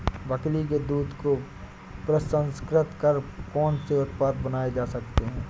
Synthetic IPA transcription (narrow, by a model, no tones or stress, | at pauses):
bɐklik̬ed̪uːd̪ko | pɾəsə̃nskɾɪt̪kəɾkɔːnseʊt̪̚paːt̪̚bɐnaːed͡ʒaːsɐkt̪eɦɛ̃ː